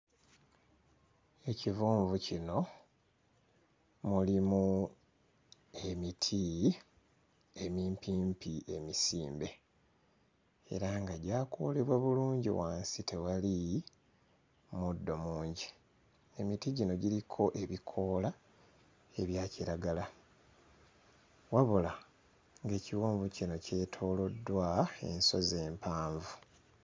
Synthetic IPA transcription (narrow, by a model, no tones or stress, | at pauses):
e̞civuːɱvucino̞ | mulimu | e̞mitʰi | e̞miːmpiːmpie̞̰misiːmbe̞ | ḛɾaŋɡaɟaːkʰo̞̰ːle̞βwaβuluːɲɟḭwaːnsite̞wali | mudːo̞muːɲɟi | e̞mitiɟino̞ɟiɾikʰo̞ʔe̞βikʰo̞la | e̞βjaːciɾaɡala | waβula | ŋɡe̞ːciwoːɱvucino̞ce̞ːtʰo̞ːlo̞dːwae̞̰nso̞ze̞ːmpʰaːɱvu